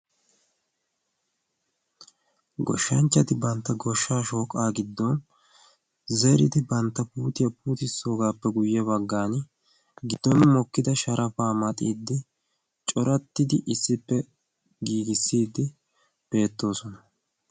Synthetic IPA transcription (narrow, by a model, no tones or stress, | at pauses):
ɡɔ̰ʃːɐɲt͡ʃːɐt̪ɪbɐnt̪ːɐɡɔʃːaːʃo̞ːkʼːaːɡɪd̪ːɔn | zɛɾɪ̰d̪ɪbɐnt̪ːɐpuːt̪ɪjɐpuːt̪ɪsːo̞ːɡaːpːɛɡʊjːɛbɐɡːaːn | ɡɪd̪ːɔnmɔkːɪd̪ɐʃɐɾʔɐfaːmɐt̪ʼiːd̪ːɪ | t͡ʃʼɔɾɐt̪ːɪd̪ɪʔɪsːɪpːɛ | ɡiːɡɪsːiːd̪ːɪ | b̥e̞ːt̪ːo̞ːsɔnɐ